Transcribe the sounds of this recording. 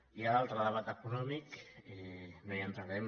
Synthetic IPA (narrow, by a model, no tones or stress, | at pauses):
ialalˠt̪ɾəðəβat̪əkunɔmikemejənt̪ɾaɾem